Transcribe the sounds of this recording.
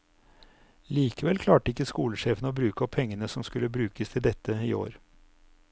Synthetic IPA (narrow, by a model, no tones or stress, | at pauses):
liːkəʋɛlkʰlɑːʈəɪkːəskuːləʂeːfənoːbɾʉːkəɔpʰːɛŋːənəsɔmskʉlːəbɾʉːkəst̪ʰɪld̪ɛt̪ːəḭːo̰ːɾ